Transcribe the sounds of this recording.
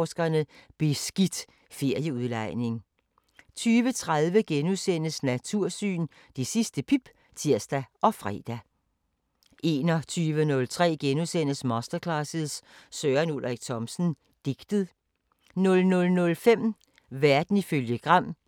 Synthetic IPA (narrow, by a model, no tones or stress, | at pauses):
sɡ̥ɐnəb̥e̝sɡ̥id̥ | fe̝ɐ̰jəuðˠlɑ̈ɪne̝ŋ | t͡sʰyːʋət͡sʰʁaðˠʋəɡ̥enusen̰əsnæt͡sʰuɐ̰sy̰ːn | d̥e̝sisd̥əpʰib̥ | t͡sʰiɐsd̥æʔɒ̽fʁɛ̰ːd̥æ | ʔe̝ːnɒt͡sʰyːʋənɔ̽lt͡sʰʁɛ̰ːɡ̥enusen̰əsmɒ̽sd̥ɐkʰlɑsəð̩ˠssøːɐnulʁɛɡ̥̚t͡sʰɒ̽msn̩ | d̥e̝ɡ̥d̥əð̩ˠ | nɔ̽lnɔ̽lnɔ̽lfem̰ | ʋæɐd̥n̩iføljəɡ̥ʁɑ̈m̰